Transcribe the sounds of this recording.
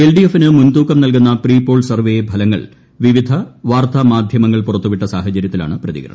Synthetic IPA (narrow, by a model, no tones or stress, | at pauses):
elɖiefːinɨmunt̪uːkːɐmnɐlkunːɐpriːpːo̞ːɭsɐrʋejebʱɐlɐŋːɐ̰ɭ | ʋiʋid̪ʱɐʋaːrt̪ʰɐmaːd̪ʱjɐmɐŋːɐɭpurɐt̪ːuʋiʈːɐsaːhɐt͡ɕɐɾjɐt̪ːila̰ːɳɨprɐðiɡɐɾɐ̰ɳɐm